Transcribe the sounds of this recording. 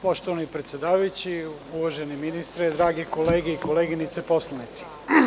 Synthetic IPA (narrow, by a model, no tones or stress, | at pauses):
po̞ʃt̪oʋanipɾet̪sʲed̪aːʋajut͡ɕi | uʋaʒeniminist̪ɾed̪ɾaːɡekoleːɡeikoleɡinit̪sepo̞slˠanit̪si̥